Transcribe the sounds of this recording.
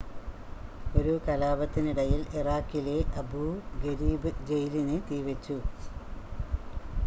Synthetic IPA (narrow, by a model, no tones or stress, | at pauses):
o̞ɾukɐlaːbɐt̪ːiniɽɐjiliraːkːile̞ʔɐbuɡɐɾiːbɨd͡ʑejlinɨt̪iːʋɐt͡ɕːu